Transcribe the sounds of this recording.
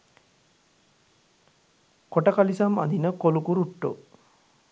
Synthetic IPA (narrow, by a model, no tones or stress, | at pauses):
koʈəkalisama̰d̪inəkolukuɾuʈːo̰